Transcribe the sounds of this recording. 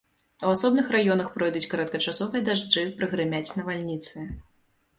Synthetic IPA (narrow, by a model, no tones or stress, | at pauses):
uasɔbnɨxrajɔnɐxpɾɔjd̪ut͡sʲkɐɾɐt̪̚kɐt͡ʂasɔvɨjɐd̪aʐd͡ʐɨpɾɨɣɾɨmʲat͡sʲnɐvalʲnʲit̪sɨ